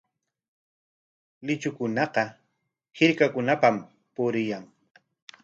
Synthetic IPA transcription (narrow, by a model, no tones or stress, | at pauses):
lɪt͡ʃʊkʊnɑqɑ | hɪɾkakʊnapam | pʊɾɪjaŋ